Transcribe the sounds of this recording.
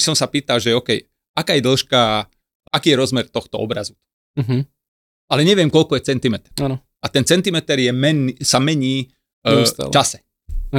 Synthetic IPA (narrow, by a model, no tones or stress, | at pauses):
isɔmsapiːt̪alʒɛɔkɛj | akaːjɛd̪l̩ʃka | akiːjɛɾɔzmɛɾt̪ɔxt̪ɔɔ̰bɾazu | ɦ̩ | alɛɲɛʋɪjɛmkɔlkɔjɛt͡sɛnt̪imɛt̪ɛ̥ɾaːnɔ | at̪ɛnt͡sɛnt̪imɛt̪ɛɾjɛmɛnisamɛɲiː | t̪a̰lt͡ʃasɛ̥